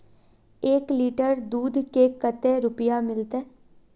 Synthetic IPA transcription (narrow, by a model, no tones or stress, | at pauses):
eːkliːʈəɾd̪uːd̪ʱkekət̪eɾʊpɪjamɪlt̪e